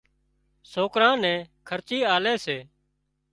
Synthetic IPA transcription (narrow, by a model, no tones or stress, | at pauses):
soːkɾãːnɛ̃ːkʰəɾt͡ʃiːaːleːseː